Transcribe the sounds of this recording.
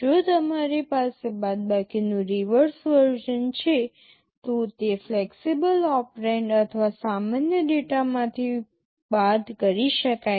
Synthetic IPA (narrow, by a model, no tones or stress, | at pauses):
d͡ʒot̪əmaɾepasebad̪̚bakinũɾiʋəɾsʋəɾd͡ʒənt͡ʃʰe | t̪õt̪efleksibəlɔpɾeɳɖət̪ʰʋasamanjəɖeʈamãt̪ʰi | bad̪kəɾiʃəka